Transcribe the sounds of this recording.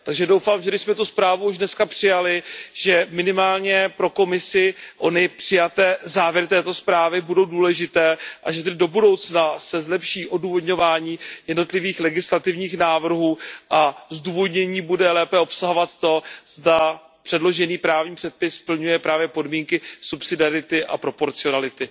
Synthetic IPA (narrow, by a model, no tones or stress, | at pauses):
t̪aɡʒɛdo̞wfaːmʒɛdɪʃsmɛt̪uspɾaːvuuʒdnɛskapr̥ɪjalɪʒ̥ɛmɪnɪmaːlɲɛpɾo̞ko̞mɪsɪʔo̞nɪpr̥ɪjat̪ɛːzaːvjɛɾɪt̪ɛːt̪o̞spɾaːvɪbudo̞wduːlɛʒɪt̪ɛːʔaʒɛt̪ɛdɪdo̞budo̞wt͡snasɛzlɛpʃiːʔo̞duːvo̞dɲo̞vaːɲiːjɛdno̞t̪lɪviːxlɛɡɪslat̪ɪvɲiːxnaːvr̩ɦuːʔazduːvo̞dɲɛɲiːbudɛlɛːpɛo̞psaɦovat̪t̪o̞zda | pr̥ɛdlo̞ʒɛniːpɾaːvɲiːpr̝̥ɛt̪̚pɪspl̩ɲujɛpɾaːvjɛpo̞dmiːŋkɪsupsɪdɪaɾɪt̪ɪʔa̰pɾo̞po̞ɾt͡sɪo̞nalɪt̪ɪ